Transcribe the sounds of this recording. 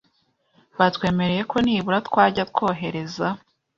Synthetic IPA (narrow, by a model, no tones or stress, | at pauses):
βatwe̞ːme̞ɾeje̞ko̞niːβuɾatkwaːɟat̚ko̞ːɦe̞ɾe̞za